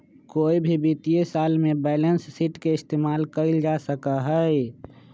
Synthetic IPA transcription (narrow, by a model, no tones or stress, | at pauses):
koːibʱibit̪ijesaːlmẽbɛːlənsːiʈkeɪst̪eːmaːlkəɪld͡ʒasəkaɦɛe